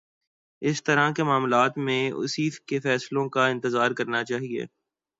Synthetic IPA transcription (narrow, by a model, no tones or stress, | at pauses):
ɪst̪ɐɾakemaːmlaːt̪mẽʊ̰siːfkefɛːslõkaɪ̃nt̪ɪzaːɾkɐɾnat͡ʃaːɦiḛː